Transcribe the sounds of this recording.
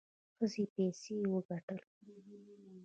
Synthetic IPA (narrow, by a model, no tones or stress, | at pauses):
xəzepɛsewəɡaʈəl